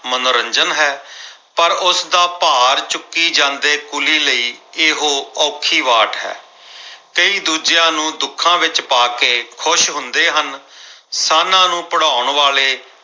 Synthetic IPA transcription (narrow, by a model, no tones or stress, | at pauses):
mənoːɾəɲd͡ʒənɦɛːpəɾʊsd̪aːpaːɾt͡ʃʊkːiːd͡ʒãːnd̪eːkʊliːləiːeːɦoːɔːkʰiːʋaːʈɦɛ̰ː | kəiːd̪uːd͡ʒjãːnũːd̪ʊkʰãːʋɪt͡ʃpaːkeːkʰʊʃɦʊnd̪eːɦənsaːnãːnũːpəɽaːʊɳʋaːleː